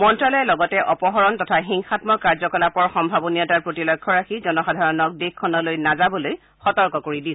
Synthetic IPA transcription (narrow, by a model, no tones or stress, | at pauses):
mɔntɹalɔjɛlɔɡɔtɛʔɔpɔɦɔɹɔntɔtʰaxiŋxatmɔkaɹzɔkɔlapɔɹxɔmbʱabɔnijɔtaɹpɹotilɔkʰːɔɹaxʰizɔnɔxadʱaɹɔnɔk̚dekʰːɔnɔlojnazabɔloj | xɔtɔɹkɔkoɹidi